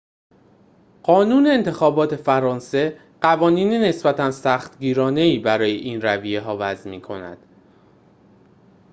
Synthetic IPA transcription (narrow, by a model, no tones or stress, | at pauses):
ɢ̥ɒːnuːne̞ːnt̪ʰe̞xɒːbɒːt̪ʰe̞fæɾɒːnse̞ | ɢ̥ævɒːniːnene̞sbæt̪ʰænsæːxt̪ɟiːɾɒːne̞iːbæɾɒːjeʔiːnɾævijeɦɒːvæzmiːkʰo̞næ̰d̪̥